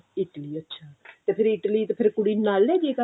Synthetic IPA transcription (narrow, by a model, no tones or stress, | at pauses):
ɪʈəliːətːʃʰaːt̪eːpʰɪɾɪʈəliːt̪eːpʰɪɾkʊɽiːnaːlɛːd͡ʒeka